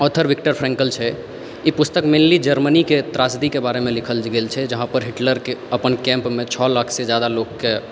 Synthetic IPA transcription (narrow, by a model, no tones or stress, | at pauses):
ɔt̪ʰəɾʋikʈəɾpʰɾɛ̃ŋkəlt͡ʃʰɛ | ipust̪əkmenlid͡ʒəɾməniket̪ɾasd̪ikebaɾemelikʰəld͡ʒɡelt͡ʃʰɛd͡ʒəɦãpəɾɦiʈləɾkeəpənkɛ̃mpmet͡ʃʰɔlakʰsed͡ʒad̪alokːe